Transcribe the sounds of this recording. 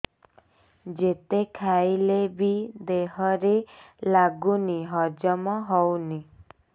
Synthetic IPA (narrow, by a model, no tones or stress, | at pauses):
d͡ʒet̪ekʰajlebid̪eɦɔɾelaɡuniɦɔd͡ʒɔmɔɦɔwni